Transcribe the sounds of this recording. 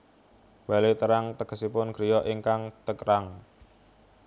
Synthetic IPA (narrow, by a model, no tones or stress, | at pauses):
b̥alet̪əɾaŋt̪əɡ̥ə̤sipʊnɡ̥ɾijɔʔiŋkaŋt̪əkɾaŋ